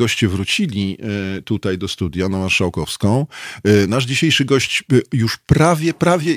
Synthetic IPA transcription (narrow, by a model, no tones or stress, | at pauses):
ɔɕt͡ɕɛvɾut͡ɕilʲit̪ut̪ajd̪ɔst̪ud̪ʲjanamaɾʂawkɔfskɔ̃w̃naʐd͡ʑiɕejʂɘɡɔɕt͡ɕjuʂpɾavʲjɛpɾavʲjɛ